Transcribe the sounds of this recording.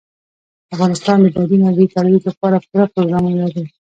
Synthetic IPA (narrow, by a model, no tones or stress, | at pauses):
afɣɑnɪst̪ɑnd̪əbad̪inazit̪ɑlwiklapɑɾakʊɾapɾoɡɾɑmunalaɾi